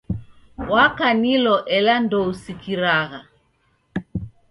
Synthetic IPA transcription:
wakanilɔʔɛlandɔusikiɾaɣa

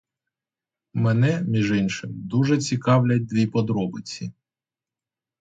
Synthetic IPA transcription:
mɛnɛmʲiʒɪnʃɪmd̪uʒɛt͡sʲikɑwlʲɐt̚ʲd̪ʋʲipɔd̪ɾɔbɪt͡sʲi

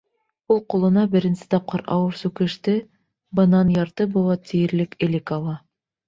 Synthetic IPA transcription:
ulˠqulˠɤ̆nɑbɘ̆ɾɘ̆nsɘ̥t̪ɑp̚qɑɾɑ̰wɤɾsʉkɘ̆ʃt̪ɘ | bɤ̆nɑnjɑɾt̪ɤbulˠɑt̪ĭjɘ̆ɾlɘkɘ̆lɘkɑlˠɑ

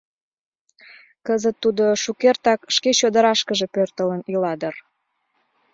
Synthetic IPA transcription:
kəzət̪ːud̪oʃukert̪ɑkʃket͡ɕod̪əɾɑʃkəʒe̽pørt̪ələnilɑd̪ər

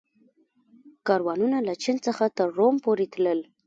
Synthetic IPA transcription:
kɑɾwɑnunalat͡ʃɪnt͡səxat̪əɾːompoɾet̪ləl

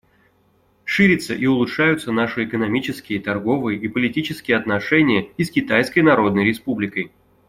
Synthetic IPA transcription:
ʂɨɾʲɪt̪səʔiʊlˠʊtʂajʊt̪sənaʂɨɪkənɐmʲit͡ɕɪskʲɪjət̪ɐrɡo̞vɨjəʔipəlʲɪtʲit͡ɕɪskʲɪjəɐt̪nɐʂɛnʲɪjəiskʲɪt̪ajskəjnɐɾo̞d̪̚nəjɾʲɪspublʲɪkəj

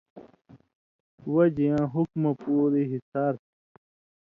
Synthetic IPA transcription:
wɐd͡ʑijãːɦukmɐpuːɾiɦisaːɾt̪

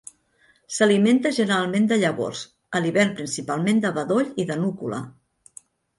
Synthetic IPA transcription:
səliment̪əʒənəɾalˠmend̪əʎəβo̰s | əliβɛrpɾinsipalˠmend̪əβəðoʎiðənukulə̰

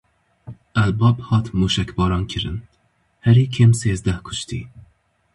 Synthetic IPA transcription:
ælbɑbhɑt̪ʰmuʃækʲbɒɾɑnkʲʰɪɾɨ̰n | hæɾikʰʲemsezd̪æhkʰʊ̥ʃt̪ʰḭ

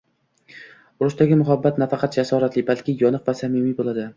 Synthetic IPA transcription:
ʊɾʊʃt̪aɡʲɪmʊɦabːat̪nafɑqʰɑt̪̚d͡ʒasɒɾat̪lɪbalkʲɪjɒnɨqvasamɪmibolˠad̪ɪ

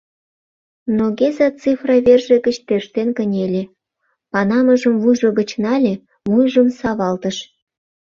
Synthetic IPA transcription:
noɣezɑt͡sifrɑβʲerʒeɡə̆t͡ɕt̪erʃt̪enkənʲelʲe | pɑnɑməʒəmvujʒoɣət͡ɕnɑlʲe | mujʒəmsɑβɑlt̪əʃ

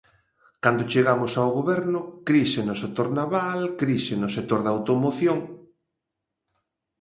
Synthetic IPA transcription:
kand̪ot͡ʃeɣamʊsawɣoβɛɾnʊkɾisenʊsek̚t̪oɾnaβalkɾisenosek̚t̪oɾðawt̪omoθjoŋ

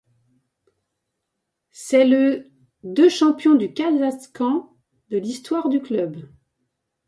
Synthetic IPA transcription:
sɛlə | d̪øʃɑ̃pjɔ̃d̪ykazaskɑ̃ | d̪əlist̪waʁd̪yklœb

